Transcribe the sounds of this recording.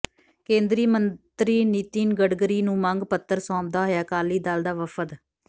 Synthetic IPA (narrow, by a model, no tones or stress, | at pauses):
kẽːnd̪ɾiːmənt̪ɾiːnit̪iːnɡəɖɡɾiːnũːməŋɡpət̪ːəɾsɔ̃ːp̚d̪aːɦojaːkaːliːd̪aːld̪aːʋəpʰət̪